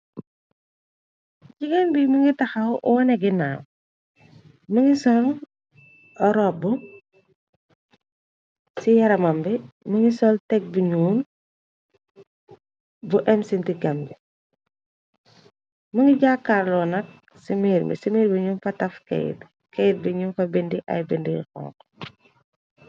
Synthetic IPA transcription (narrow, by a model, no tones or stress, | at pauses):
ɟiɡɛnbiməŋɡitɐxɐwʔɔɔnɛɡinaːm | məŋɡisɔl | ɾɔbːu | sijɐɾɐmɐmbɛməŋɡisɔltɛɡ̚buɲuːn | buʔɛmsintiɡɐmbi | muŋɡiɟakːaɾlɔnɐk̚ | simiɾmḭsimiɾbiɲuːnfɐtɐfkɛ̰j̰t | kɛjt̚biɲuːnfɐbindiʔɐ̰jbindḭkɔ̰ŋk